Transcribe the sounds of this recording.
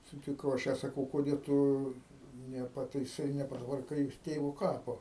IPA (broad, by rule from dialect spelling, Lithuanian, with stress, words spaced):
sʊtʲɪˈkɐʊ ɐʃ ˈjæː sɐˈkɐʊ koːˈdʲeː tʊ nʲɛpɐtɐɪˈsɐɪ nʲɛpɐtʋɐrˈkɐɪ joːs ˈtʲeːʋoː ˈkɑːpoː